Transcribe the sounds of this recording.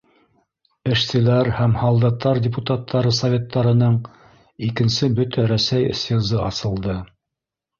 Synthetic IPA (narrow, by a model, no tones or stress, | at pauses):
ɘ̆ʃsɘ̆læɾhæmhɑlˠd̪ɑt̪ːɑɾdʲɪput̪at̪ʰːɑɾɤsɐvʲe̞t̪ːɑɾɤ̆nɤɴ | ikɘ̆nsɘbɵt̪æɾæsæjɤ̰̆sɤ̆zɤʔɑsɤ̆lˠd̪ɤ